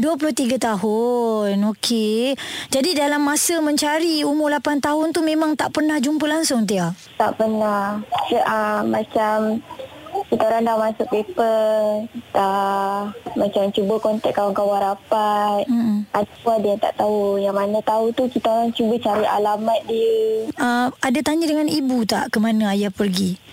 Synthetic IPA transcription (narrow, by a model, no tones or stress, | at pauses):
duap̬ulʊht̪iɡat̪aɦʊnokʰed͡ʒadidalamːãsəmə̃ɲt͡ʃaɾiumʊlapant̪aɦʊnt̪umẽmãŋt̪aʔpərnahd͡ʒumpəlaŋsʊŋt̪ia | t̪a̰ʔpənahsəʔəmat͡ʃam | kit̪aoɾaŋdamasʊk̚pepə | t̪a | mat͡ʃamt͡ʃubəkɔnt̪ɛʔ̚kawaŋkawaɾapat̪̩̚ad | adəjaŋt̪a̰ʔt̪aujaŋmanət̪aut̪ukit̪aoɾaŋt͡ʃubət͡ʃaɾiʔa̰lamat̪̚diəəadat̪aɲədəŋanibut̪a̰ʔkəmanaajapərɡi